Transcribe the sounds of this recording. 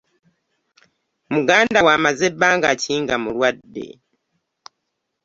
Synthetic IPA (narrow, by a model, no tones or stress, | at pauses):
muɡaːndawaːmazebːaːŋɡaciːŋɡamulwadːe̞̰